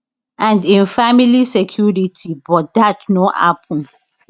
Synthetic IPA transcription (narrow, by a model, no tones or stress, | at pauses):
ãndĩnfamilisɛkʰjuɹitʰibɔt̚datnoha̰pʰɔ̃n